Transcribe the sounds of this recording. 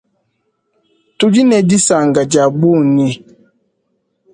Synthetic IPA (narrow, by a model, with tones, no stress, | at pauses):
tu˨d͡ʒi˦nɛ˨di˦sa˨ŋ˨ɡa˨d͡ʒa˨bu˦˨ni˦